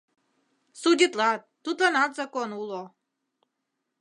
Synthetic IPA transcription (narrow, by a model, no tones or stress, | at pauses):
sud̪ʲit̪lat̪ːut̪lanad̪zakonulˠo